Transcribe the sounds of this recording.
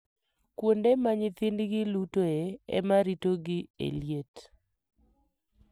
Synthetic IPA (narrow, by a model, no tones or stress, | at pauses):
kwondemaɲɪt̪ɪndɡɪlutoeɛ̰maɾitoɡɪḛljet